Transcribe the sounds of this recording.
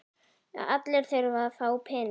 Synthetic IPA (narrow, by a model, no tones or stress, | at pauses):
a̰at̪lɛɾ̥θeɥɾvafaːwpʰɛːn